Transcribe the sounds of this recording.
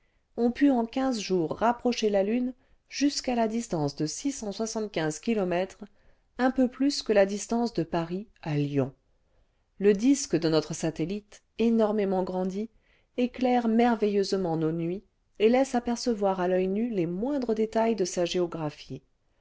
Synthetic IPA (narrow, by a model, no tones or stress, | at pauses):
ɔ̃pyɑ̃kʲɛ̃zʒuʁːapχɔʃelalyn | ʒyskalad̪ist̪ɑ̃sd̪əsisɑ̃swasɑ̃t̪kʲɛ̃zkʲilɔmɛt̪χ | ɛ̃pøplyskəlad̪ist̪ɑ̃sd̪əpaʁialjɔ̃ | ləd̪iskd̪ənɔt̪χəsat̪elit̪ | enɔʁmemɑ̃ɡʁɑ̃d̪i | eklɛʁmɛʁvejøzmɑ̃nonɥi | elɛsapɛʁsəvwaʁalœjnylemwɛ̃d̪ʁəd̪et̪ajd̪əsaʒeɔɡʁafi